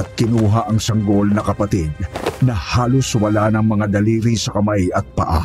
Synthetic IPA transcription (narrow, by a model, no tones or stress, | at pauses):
ɐt̪̚kɪnuːɦɐʔɐŋsɐŋɡolnɐkɐpɐt̪ɪd̪̚nɐhaːloswɐlanɐŋmɐŋad̪ɐliːɾisɐkɐmajɐt̪̚pɐ̰ʔa̰